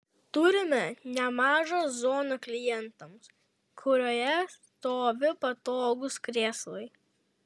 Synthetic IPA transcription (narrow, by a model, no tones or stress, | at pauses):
t̪ʊɾʲɪmʲɛnʲɛmɑːʒozoːnɐklʲɪjɛnt̪ɐms | kʰʊɾʲoːjɛs | t̪oːʋʲɪpɐt̪oːɡʊskɾʲeːslˠɐɪ